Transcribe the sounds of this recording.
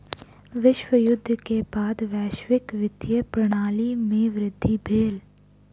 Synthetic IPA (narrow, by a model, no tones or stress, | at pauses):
ʋɪʃwəjʊd̪ʱːkebaːd̪ʋɛːʃʋɪkʋɪt̪jəpɾɐɽ̃aːlimẽʋɾɪd̪ʱːibʱeːl